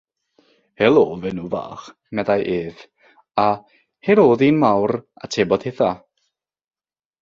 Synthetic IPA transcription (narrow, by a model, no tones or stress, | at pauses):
helˠoːvɛnuːva̰ːχ | mɛdajʔeːð | a | heɾoːðiːnmawra̰tʰeːbɔd̥heθa